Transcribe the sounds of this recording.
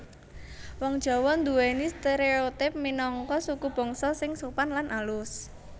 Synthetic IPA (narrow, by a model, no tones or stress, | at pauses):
wɔŋd̥ʒ̥ɔ̤wɔnd̪uwenist̪eɾeot̪ɪp̚minɔŋkɔsukub̥ɔ̤ŋsɔsɪŋsupanlanʔalʊs